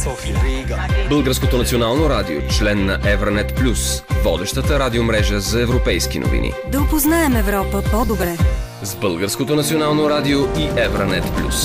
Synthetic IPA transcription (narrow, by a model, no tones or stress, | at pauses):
bəlˠɡəɾskot̪onɐt̪sionalˠnoɾad̪io̰t͡ʃlɛnːɐʔɛvɾənɛt̪plʲusvɔd̪ɛʃt̪ət̪əɾad̪iomɾɛʒəzɐɛvɾopɛjskino̰vḭnḭd̪ɐopoznaɛmɛvɾɔpəpɔd̪obɾɛ | zbɤlˠɡəɾskot̪onɐt̪sionalˠnoɾad̪ioʔiʔɛvɾənɛt̪plʲṵs